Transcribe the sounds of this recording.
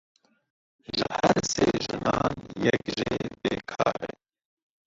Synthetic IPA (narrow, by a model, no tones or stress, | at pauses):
ʒɨhæɾseːʒɨnɑːnjɛkʒeːbeːkʰɑːɾɛ